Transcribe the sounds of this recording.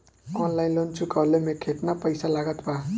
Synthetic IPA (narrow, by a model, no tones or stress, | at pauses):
ɔnlainlont͡sʰukʌlemekʰeʈnapʌjsalaɡʌt̪ba